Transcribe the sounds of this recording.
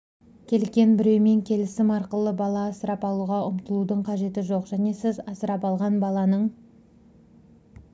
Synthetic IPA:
kʲʰe̞lkʲe̞nbɪɾe̞wme̞ŋkʲʰe̞lɪsɪmɑɾqəlˠəbɑlˠɑːsəɾɑpɑlˠuʁɑʊmt̪əlˠud̪əɴqʰɑʒe̞t̪ɪʒo̞qʒ̥æne̞sɪzɑsəɾɑpɑlˠʁɑnbɑlˠɑnəɴ

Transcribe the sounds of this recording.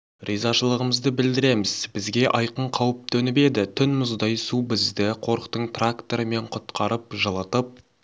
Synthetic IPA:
rizɑʃəlˠəʁəməzd̪əbɪld̪ɪɾe̞mɪzbɪzɡʲe̞ʔɑjqəɴqʰɑwəp̚t̪ʰɵnɪpe̞d̪ɪt̪ʰʏnmʊzd̪ɑjsubɪzd̪ɪqʰo̞ɾqt̪əɴt̪rakt̪o̞ɾəme̞ɴqʰʊt̪qɑɾəpʒəlˠət̪əp̚

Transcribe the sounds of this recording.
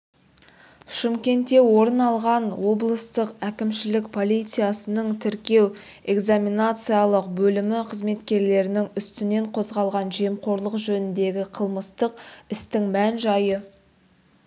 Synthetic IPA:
ʃɪmkʲe̞nt̪e̞wo̞ɾənɑlˠʁɑnwo̞blˠəst̪əqækʲɪmʃɪlɪkpʰo̞lijt̪sɨjasənəɴt̪ʰɪɾkʲe̞w | e̞ɡzaminat̪sɨjalˠəqbɵlɪmɪqʰəzme̞t̪kʲe̞ɾle̞ɾɪnɪŋʏst̪ɪne̞ɴqʰo̞zʁɑlˠʁɑnʒe̞mqʰo̞ɾlˠəqʒɵnɪnd̪e̞ɡʲɪqʰəlˠməst̪əqɪst̪ɪŋmænʒɑjə

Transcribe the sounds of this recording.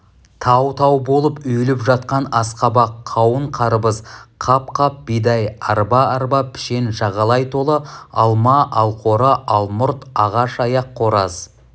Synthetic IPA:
t̪ʰɑwt̪ʰɑwbolˠəpʏjlɪpʒɑt̪̚qɑnɑsqɑbɑqʰːɑwəɴqʰɑɾəbəzqʰɑp̚qʰɑp̚bijd̪ɑjɑɾbɑɑɾbɑpʰɪ̥ʃe̞nʒɑʁɑlˠɑjt̪ʰo̞lˠəɑlˠmɑʔɑlˠqʰo̞ɾəʔɑlˠmʊɾt̪ɑʁɑʃɑjɑqʰːo̞ɾɑz̥

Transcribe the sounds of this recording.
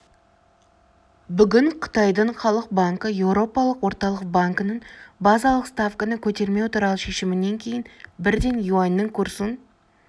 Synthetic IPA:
bʏɡʲɪɴqʰə̥t̪ɑjd̪əɴχɑlˠəq̚baŋkəje̞wɾo̞pɑlˠəqwo̞ɾt̪ɑlˠəq̚baŋkənəɴbɑzɑlˠəqst̪afkənəkʲʰɵt̪e̞ɾme̞wt̪uɾɑlˠəʃe̞ʃɪmɪnːe̞ŋkʲʰe̞jɪnbɪɾd̪e̞njuanːəŋkʰuɾsən

